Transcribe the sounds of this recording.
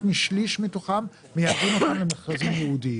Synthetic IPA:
miʃliʃmit̪oχam | mejavinot̪amlemeχkazimjɛhud̪i

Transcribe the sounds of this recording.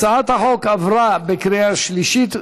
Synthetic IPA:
t͡saat̪haħokavʁabekɾijaʃliʃit̪

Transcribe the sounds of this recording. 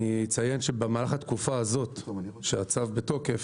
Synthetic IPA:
iit͡sajenʃebemaːlaχat̪kufaazo̞t̪ʃeat͡savbeto̞kef

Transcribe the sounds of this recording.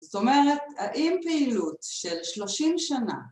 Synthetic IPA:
zot̪o̞meʁethaʔimpeilutʃelʃlo̞ʃimʃana̰

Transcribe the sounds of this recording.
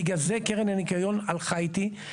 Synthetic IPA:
ɡazekeʁenanikajo̞nalχajt̪i

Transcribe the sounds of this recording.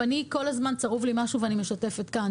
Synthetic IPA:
aniko̞lazmant͡saʁuvlimaʃuveanime̞ʃate̞fetkan

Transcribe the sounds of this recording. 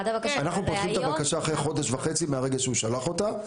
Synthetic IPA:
anaχnupot̪χimmt̪abakaʃaːχʁejχo̞d̪eʃvaχe̞t͡simeaʁe̞ɡelʃeuʃalaχo̞ta

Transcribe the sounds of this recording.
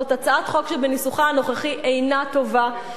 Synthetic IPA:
ot̪at͡saat̪χo̞kʃebenisuχaano̞χeχiʔejnat̪o̞va

